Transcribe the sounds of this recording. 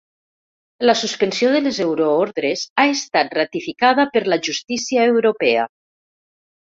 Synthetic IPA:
lasuspənsioðelezewɾooɾðɾezaest̪at̪̚rat̪ifikað̞apəɾlaʒust̪isiaewɾopɛa̰

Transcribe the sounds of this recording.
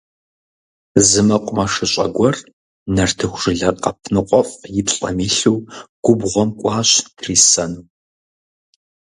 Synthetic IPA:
zɨmɐqʷʼʊmɐʂɨɕʼɐɡʷɔr | nɐrtʰɨxʷʒ̥ɨɮɐrqɐpʰnɨqʷʼɔfʼjɪpɕʼɐ̰miːɬuːɡ̥ʷʊbʁʷɔmkʷʼɑːɕtʰriːsɐnuː

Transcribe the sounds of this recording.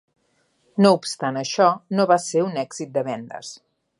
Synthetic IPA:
noupst̪anəʃɔnoβaseunɛɡz̥it̪̚d̪əβɛnd̪ə̰s

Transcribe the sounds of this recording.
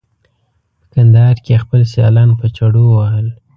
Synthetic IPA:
pə̥kand̪ɑhɑɾkexpəlsjɑ̰lɑnpət͡ʃaɽowahəl

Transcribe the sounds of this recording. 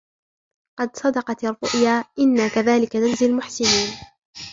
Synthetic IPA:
qɑd̪sˤɑd̪ɑqɑt̪ɑrˤːʊʔjaːʔɪnːakaðaːlɪkananzɪlmʊħsɪniːn

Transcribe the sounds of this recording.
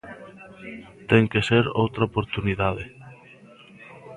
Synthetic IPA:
t̪eŋkeseɾowt̪ɾaopoɾt̪uniðaðe

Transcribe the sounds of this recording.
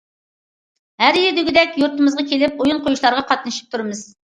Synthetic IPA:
hæɾjid̪ɪɡʲid̪ɛkʲjuɾt̪ɨmɨzʁɑkʲʰelɪp̚ojunqʰojuʃlˠɑɾʁɑqʰɑt̪nɨʃi̥p̚t̪ʰuɾɨmɨz̥

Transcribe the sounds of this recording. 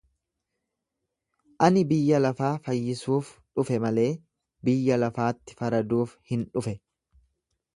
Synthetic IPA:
ʔɐnɪbɪjːɐlɐfaːfɐjːɪsuːfᶑʊfɛmɐle̞ː | bɪjːɐlɐfaːt̪ːɪ̥fɐɾɐd̪uːfhɪnᶑʊfɛ

